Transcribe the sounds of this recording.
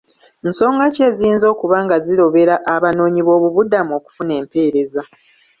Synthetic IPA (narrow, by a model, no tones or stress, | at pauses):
nso̞ːŋɡace̞ziiːnzo̞ːkuβaːŋɡaziɾo̞βe̞ɾaʔːβano̞ːɲiβo̞ːβuβudamuo̞ːku̥fune̞ːmpe̞ːɾe̞za